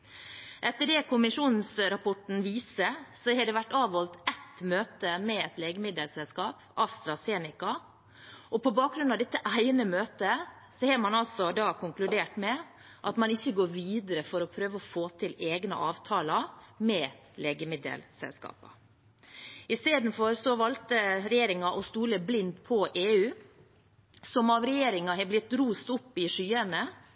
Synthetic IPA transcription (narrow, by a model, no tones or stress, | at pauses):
ʔɛt̪ːəɖɛkʰʊmɪʂuːnn̩sɾɑpʰɔʈn̩ʋiːsəsɔhɛɖɛʋæʈːɑːʋhɔlt̪ɛt̪møːt̪əmɛɛt̪leːɡəmɪd̪əlsɛlskɑːp | ʔɑst̪ɾɑseːnɪkɑ | ʔɔpɔbɑːk̚ɡɾʉnɑʋd̪ɛt̪ːəʔæɪnəmøːt̪ə | sɔhɛːɾmɑnɑlsɔd̪ɑːkʰʊŋklʉd̪eːʈmɛ | ʔɑt̪mɑnɪçːəɡoːɾʋiːd̪əɾəfɔɾɔpʰɾøːʋəɔfoːt̪ʰɪleːɡnə̰ʔɑːʋt̪ʰɑːlɑmɛː | leːɡəmɪd̪ə̰lsɛ̰lskɑ̰ːpɑ̰ | ɪst̪eːd̪n̩fɔɾsɔʋɑlt̪əɾɛjeːɾɪŋɑʔɔst̪uːləblɪnd̪pʰɔʔeːʉː | sɔmɑʋɾɛjeːɾɪŋɑɦɛblɪt̪ːɾuːst̪ʊpːɪʂyːənə